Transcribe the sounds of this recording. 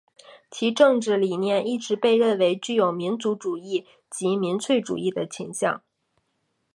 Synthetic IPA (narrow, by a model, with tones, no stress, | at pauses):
t͡ɕʰi˧˥ʈ͡ʂɤ˥˧ŋʈ͡ʂɻ̩˥˩li˨˩njɛ˥˧ni˥˩ʈ͡ʂɻ̩˧˥pe˥˧ɪɻə˥˩nwe˧˥ɪt͡ɕy˥˩jo˨˩ʊmi˧˥nt͡su˧˥ʈ͡ʂu˨˩i˥˩ | t͡ɕi˧˥mi˧˥nt͡sʰwe˥˩ɪʈ͡ʂṵ˨˩i˥˩d̪ə˩t͡ɕʰi˧˥ŋɕjɑ̰˥˩ŋ